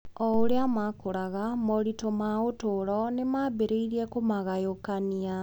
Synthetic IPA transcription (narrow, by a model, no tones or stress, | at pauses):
ɔoɾeamakoɾaɣamɔɾitomaotoɾɔnemabeɾeiɾiɛkomaɣajokania